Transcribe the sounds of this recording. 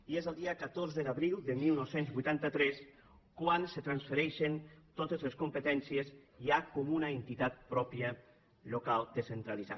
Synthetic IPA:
iezəlˠd̪iəkət̪oɾzəðaβɾilˠd̪əmilˠnɔwsenzβujt̪ant̪ət̪ɾɛs | kwanset̪ɾansfəɾɛʃent̪ot̪əzləskumpət̪ɛnsieziakomunəent̪it̪at̪̚pɾɔpjə | lokalˠd̪əsent̪ɾaliza̰

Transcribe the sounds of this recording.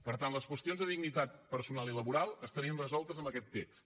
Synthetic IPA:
pəɾt̪anləskwəst̪ionzðəðiɡnit̪at̪pəɾsunalˠiləβuɾalˠəst̪əɾiənrəzɔlˠt̪əzəmbəkɛt̪ːekst̪

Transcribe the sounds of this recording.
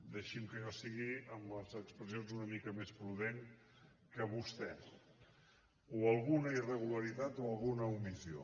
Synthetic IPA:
d̪əʃimkəʒɔsiɣiəməzəkspɾəzionzunəmikəmespɾuð̞eŋ | kəβust̪ɛ | uəlˠɣunəirəɣ̞uləɾit̪at̪oəlˠɣunəumizio̰

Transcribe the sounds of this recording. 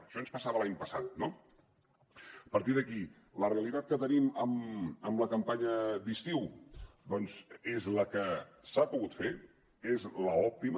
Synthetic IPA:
ʃɔənspəsaβəlaɲpəsat̪̚no | əpəɾt̪iðəki | ləreəlit̪at̪̚kət̪əniməməmləkəmpaɲəd̪ist̪iw | d̪ɔnzezləkəsapuɣut̪fe | ezləɔp̚t̪im

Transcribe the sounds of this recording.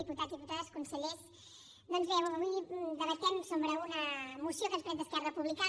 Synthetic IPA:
iput̪aðiput̪aðəskunsəʎes | d̪ɔnzβɛuəβud̪əβəst̪ɛmsombɾəunəmusiokəspɾɛt̪d̪əskɛrəpuβlika

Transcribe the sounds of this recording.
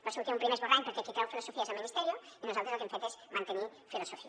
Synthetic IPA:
boset̪keumpɾimezβoraɲpeɾket͡ʃik̪awfilosofiazelminist̪eɾjoinosalt̪ozokemfet̪esmãnt̪enifilosofia

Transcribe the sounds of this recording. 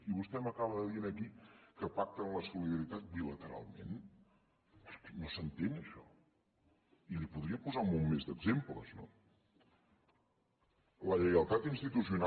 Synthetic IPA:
iβust̪ɛməkaβəðəðiənəkikəpak̚t̪ənləsuliðəɾit̪at̪̚bilət̪əɾa̰lˠmḛn | əɾkɛnosənt̪enəʃɔ | ilipuðɾiəpuzaumummezd̪əɡzemplə̰zno̰ | ləʎəɣəlˠt̪at̪inst̪it̪usiuna

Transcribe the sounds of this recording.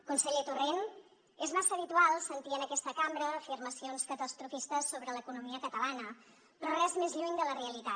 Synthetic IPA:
kunsəʎet̪uren | ezmasəːβit̪ualˠsənt̪iənəkɛst̪əkambɾəːfirməsionskət̪əst̪ɾufist̪əsːoβɾələkunumiəkət̪əlanə | pɾɔrɛzmezʎuɲd̪ələreəlit̪a

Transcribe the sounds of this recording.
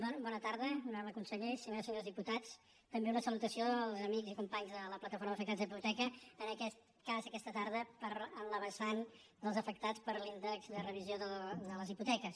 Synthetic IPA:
bɔbɔnət̪aɾðənaləkunsəʎesəɲosəɲozðiput̪at͡s | t̪əmbeunəsəlut̪əsioəlˠzəmiɡzikumpaɲzðələplət̪əfoɾməːfək̚t̪ad͡zðiput̪ɛkəənəkɛt̪ | kazəkɛst̪ət̪aɾð̞əpəɾənləβənsan | d̪əlˠzəfək̚t̪at͡spəɾlint̪əllərəβizjoðəd̪ələziput̪ɛkəs

